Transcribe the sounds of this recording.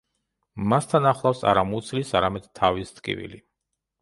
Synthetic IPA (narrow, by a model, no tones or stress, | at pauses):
mast̪ʰanaχlˠafsa̰ɾamut̪sʰlisaɾamɛd̪̥t̪ʰːavist̪kʼḭvḭli